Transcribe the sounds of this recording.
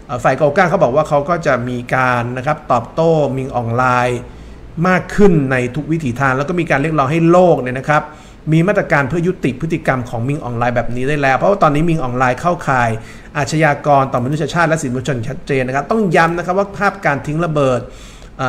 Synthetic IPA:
ʔəː˨˩faː˨˩jka˧kaː˥˩ŋkʰa˦˥wbɔː˨˩kwaː˥˩kʰa˦˥wkɔː˥˩t͡ɕa˨˩miː˧kaː˧nːa˦˥kʰa˦˥p̚t̪ɔː˨˩p̚t̪oː˥˩mi˧ŋʔɔː˨˩nlaː˧j | maː˥˩kʰːɯ˥˩nːa˧jt̪ʰu˦˥k̚wi˦˥t̪ʰiː˩t̪ʰaː˧ŋlɛː˦˥wkɔ˥˩miː˧ka˧nɾi˥˩ək̚lɔː˦˥ŋɦa˥˩jloː˥˩k̚ni˥˩ɐna˦kʰɾa˦˥p̚ | miː˧ma˥˩t̪ɾa˧kaː˧npʰɯ˥˩ɐju˦˥t̪i˨˩pʰɯ˦˥t̪ʰːi˨˧˩ka˧mkʰɔː˩˦ŋmi˧ŋʔɔ̰ː˧˩nlaː˧jbɛː˨˩p̚niː˦˥daː˥˩jlɛː˦˥wpʰɔ˦waː˥˩t̪ɔː˧nːiː˦˥mi˧ŋʔɔː˧nlaː˧jkʰa˥˩wkʰaː˨˩j | ʔaː˨˩t̪̚t͡ɕʰa˧jaː˧kɔː˧nt̪ɔː˨˩ma˧n˦˥sʰa˧a˧t͡ɕʰaː˥˩t̪̚lɛ˦˥si˨˩˦nmu˧t͡ɕʰo˧nt͡ɕʰa˦˥t̪̚t͡ɕeː˧nːa˥kʰa˦˥p̚t̪ɔ˥˩ŋja˦˥mna˦˥kʰa˦˥p̚waː˥˩pʰaː˥˩p̚kaː˧nt̪ʰi˦˥ŋɾa˧bɤː˨˩t̪̚ | ʔaː˨˩

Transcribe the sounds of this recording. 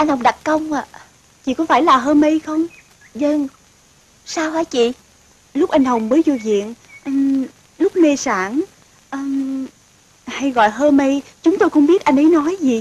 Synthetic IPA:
ʔa˧jŋ̟hə˨˩ŋ͡mɗa˨˩t̚kə˧wŋ͡ma̰ː˨ | t͡ɕḭ˧˨kɔ˨˦faː˧˩jlaː˨˩ɦəː˧mə˧jxə˧wŋ͡m | zə˧ŋ | saː˧whaː˧˦jt͡ɕḭ˧˨ | lʊ˦˥k͡p̚ʔa˧jŋ̟hə˨˩wŋ͡mvəː˨˦jzo˧vḭ˧˨ən | ʔə˧˩ | lʊ˦˥k͡p̚ne˧saː˧˩n | ʔəː˧ | ha˧jɣɔ̰˧˨jɦəː˧mə˧jt͡ɕʊ˨˦ŋ͡mt̪o˧jxə˧wŋ͡mɓi˦˥ət̚ʔa˧jŋʔə˨˦jnɔ˨˦jzi˨˩

